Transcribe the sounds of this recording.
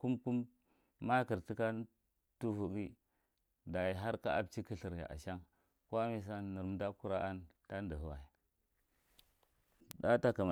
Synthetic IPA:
ku˦mku˦mː | a˦ki˨ɾti˦ka˦ | tu˦vu˨ɡi˦ | da˨ji˨ɦa˦ɾka̰˦a˨bt͡ʃi˦ki˦ɬi˨ɾja̰˨ʔa̰˨ʃa˦ŋ | ko˦mi˨s̬a˦ni˨ɾm˨˦da˦ku˦ɾa˦ʔa˦nta˦ndə˨hu˦wa˨i˨ | da˦ta˦ka˨ma˨

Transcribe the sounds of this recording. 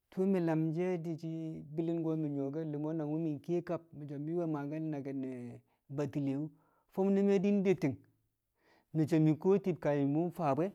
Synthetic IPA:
tʰu˦mi˨la˨md͡ʒe˦di˨t͡ʃi˦bi˦li˦nɡo˦mi˨ɲo˨ɡe˦li˨mo˦na˨wu˦mi˨nke˦ka˦p̚mi˨d͡ʒo˨mi˦we˦ma˨ɡa˦n˦na˨ɡe˨ne˨ | ba˨ti˨le˨wu˦ | fo˦m˦ni˦me˦di˦n˦de˦ti˨ŋ | mi˨t͡ʃe˨mi˨ko˦ti˨b̚ka˨ji˨mu˦n˦fa˨bʷe˦

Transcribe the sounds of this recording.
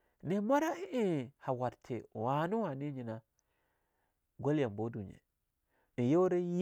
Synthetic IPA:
ne˨ma˦ɾa˦i˦ʔe˦ha˨wa˨ɾtʰe˨wa˨nu˦wa˨ni˦ɲi˨na˨ | ɡo˦lja˨mbo˦du˨ɲḛ˨ | ni˨jo˦wɾe˦j

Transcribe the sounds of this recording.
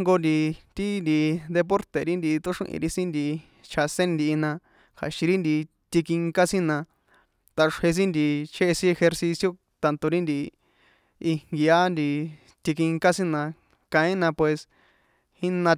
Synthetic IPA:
ŋɡo˧nd̪i˧t̪i˦nd̪i˧d̪e˧p̬o˦ɾt̪e˨ɾi˦nd̪i˧t̪o˦ʂṵ̃˦ʔḭ̃˧ɾi˦sĩ˦nd̪i˧ | t͡ʃʰa˧sẽ˦nd̪iː˧nã˧ | kʰa̰˨ʃĩ˧ɾi˦nd̪i˧ | t̪i˧ki˧ŋka˦sĩ˦nã˧ | t̪a˧ʂhe˧s̬ĩ˦nd̪i˧˨t͡ʃʰe˦e˧sĩ˦e˧xe˧ɾsi˧sjo˧ | t̪a˧nt̪o˧ɾi˦nd̪i˧ | i˧ŋŋɡi˧a˦nd̪i˧ | t̪i˧ki˧ŋka˦sĩ˦nã˧ | kã˧ĩ˦nã˧pwe˧s | hi˦nã˧

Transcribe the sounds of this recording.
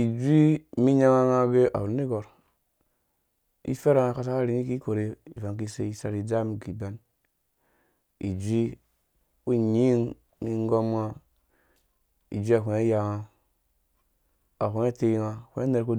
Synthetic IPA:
i˨d͡ʒʷi˦mi˦ɲa˦ŋa˦ŋa˦ɡe˦ʔa̰˨wu˨ne˦ɡo˨ɾ | ḭ˦fe˦ɾa˨ŋa˨ka˦ta˦ka˦ɾi˨ni˦ki˦ko˨ɾe˦i˨va˨ŋk̬i˦sḛ˦i˨sa˨ɾi˨d͡ʒa˦m˨ɡi˨be˦n | ḭ˨d͡ʒʷi˦ | wu˦ɲi˦ŋ | mi˦ŋ˦ɡo˦mŋa˦ | ḭ˨d͡ʒʷi˦a˨ku˨ne˦ja˨ŋa˨ | a˨kʷe˨˦e˦te˦ŋa˨kʷe˦e˦ne˨ɾko˦

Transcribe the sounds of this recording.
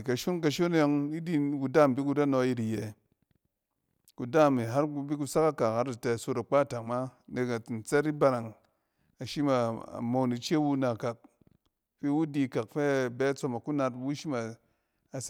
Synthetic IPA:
ka˨ʃu˦nk̬a˧ʃo˦n˦ja˧ŋi˦di˦ku˧da˦˨m˨bi˦ku˧da˦no˧˦ji˧ɾi˨jɛ˨ | ku˨da˦˨mi˨ɦa˦ɾu˧bi˦ku˧sa˦ka˦ka˨kha˦ɾa˨tɛ˧˨so˧ta˨k͡pa˦˨ta˨ŋma˦ne˨˧ka˨n̩˨t͡se˦ɾi˦ba˧ɾa˨ŋ | a˨ʃi˦ma˨a̰˨mo˨˧ni˨˧t͡ʃe˦wu˧˦na˨ka˨k̚ | fe˦wu˦di˧˨ka˨k̚fɛ˦˨bɛ˦t͡so˧ma˨ku˦na˧tbu˦ʃi˦maː˨ | s

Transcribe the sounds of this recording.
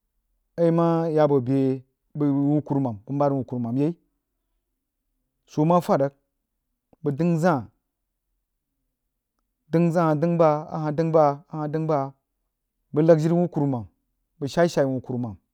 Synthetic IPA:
ə˦i˦ma˦ja˨bo˨be˨ | bə˨wu˦ku˦ɾma˨mbə˨mba˦ɾwu˨ku˨ɾma˨mje˦i˦ | so˨ma˦fa˦˨də˨˦k̚ | bə˨di˦ŋzã˦˨ | di˦ŋzã˦ha˨di˦ŋba˦a̰˨ha˨dɨ˦ŋba˦a˨ha˨di˦ŋba˦ | bə˨la˦kd͡ʒi˦ɾwu˦ku˨ɾma˨m | bə˨ʃa˦i˦ʃa˨i˨wu˨ku˨ɾma˨m

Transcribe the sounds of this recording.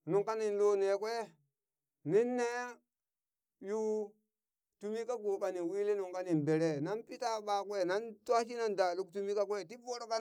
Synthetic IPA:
nu˨ŋka˦ni˨nlo˦ne˨kwe˦ | ni˦nːe˦ | ju˦ | tu˦mi˦ka˦ɡo˨ɓa˨ni˨wi˦le˦nu˨ŋka˦ni˨nbe˨ɾe˨na˦npi˦ta˦ɓa˨kwe˦na˦nta˦ʃ̬i˦na˦nda˨lu˦ktu˦mi˦ka˦kwe˦ti˦bo˦ɾo˦ka˦

